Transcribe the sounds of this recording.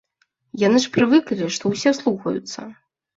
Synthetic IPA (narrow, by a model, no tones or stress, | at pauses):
janɨʂpɾɨvɨklʲiʂt̪ɔwsʲɛslˠuxɐ̰jṵt̪sːɐ̰